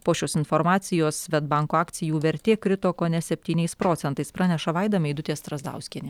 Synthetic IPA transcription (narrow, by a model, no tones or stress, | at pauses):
poːʃʲoːsɪnfoːɾmɑːtsʲɪjoːsʋʲɛd̪bɑˑŋkoːɑːkt̪sʲɪjuːʋʲɛɾʲt̪ʲeːkɾʲɪt̪oːkoːnʲɛsʲɛpʲt̪ʲiːnʲɛɪspɾoːt̪sʲɛnt̪ɐɪspɾɑːnʲɛʃɐʋɑɪd̪ɐmʲɛɪd̪ʊt̪ʲeːst̪ɾɐzd̪ɑ̰ˑʊsʲkʲiɛnʲɪ